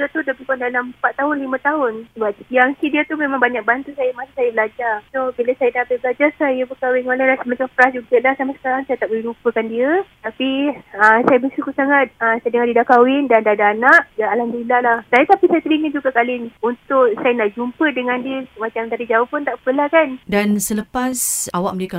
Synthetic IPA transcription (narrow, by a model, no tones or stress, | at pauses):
ət̪udabikandalampatt̪ːaɦʊnlimə̃t̪aɦʊnsəbap̚ijaŋsidiət̪umẽmãŋbaɲak̚bant̪usajəmasusajəbəlad͡ʒarsobiləsajədaapabəlad͡ʒarsajəbəkawɪnolalasəmat͡ʃamfəɾasd͡ʒuɡəlahsamasə̥kaɾaŋsajət̪aʔbəlɛɾupəkandiət̪apiəsajəbəsukusaŋat̪̚əsajdəŋandidakawɪndandadaːnaʔdaalandilalaht̪ajət̪apisajət̪əɾiŋəd͡ʒuɡakalɪnunt̪ʊʔsajənaʔd͡ʒumpədəŋandiəmat͡ʃamt̪adid͡ʒaʊhpʊnt̪aʔpəlahkandansələpasawaʔ̚məleka